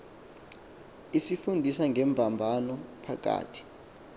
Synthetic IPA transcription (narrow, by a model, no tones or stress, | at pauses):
isifundʱisaŋɡʱɛmbʱambʱanɔpʰak̬ʼa̰ːtʰi̥